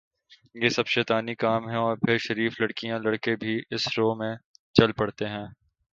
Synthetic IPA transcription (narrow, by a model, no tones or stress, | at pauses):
jeːsɐbʃɛːt̪aːnikaːmɦɛ̃ɔːɾpʰɪɾʃɐɾiːflɐɽkijãlɐɽkebʱiʔɪsɾoːmẽt͡ʃɐlpɐɽt̪eɦɛ̃ː